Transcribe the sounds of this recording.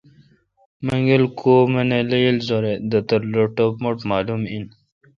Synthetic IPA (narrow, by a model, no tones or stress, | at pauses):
məŋɡelkʰoːmeneləjilzoɾed̪ət̪əɾloʈopmoʈmɑːlumin